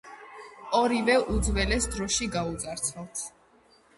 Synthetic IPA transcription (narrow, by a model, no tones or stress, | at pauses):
ɔɾivɛʔud̪zvɛlɛsd̪ɾɔʃiɡaut̪zʼaɾt̪sʰalˠt̪ʰ